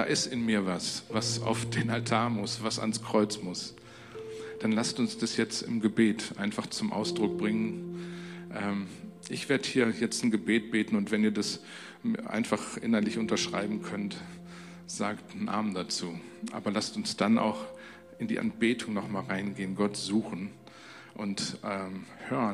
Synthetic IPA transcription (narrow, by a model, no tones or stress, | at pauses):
d̥a̰ːʔɪstɪnmiːɐvasvasa̰ʊfd̥eːnaltʰaːɐmʊsv̥asa̰nskʁ̥ɔʏt͡smʊs | d̥anlastʊnsd̥asjɛt͡stɪ̰mɡəbeːtʔa̰ɪnfaχt͡sʊmʔa̰ʊsd̥ʁʊk̚b̥ʁɪŋən | ʔɛːmʔɪçv̥eːɐdəhiːɐjɛt͡stn̩ɡəbeːt̚b̥eːtn̩ʊntv̥ɛniːɐdas | ʔa̰ɪnfaχʔɪ̰nɐlɪçʔʊntɐʃʁ̥a̰ɪbm̩kʰœnt | z̥aːkt̩n̩ʔa̰ːmn̩dat͡suːʔa̰ːbɐlastʊnsd̥anʔa̰ʊx | ɪndḭːʔa̰nb̥eːtʰʊŋnɔχmaːlʁaɪnɡeːənɡɔtz̥uːxn̩ | ʔʊntʔɛːmhøːʁən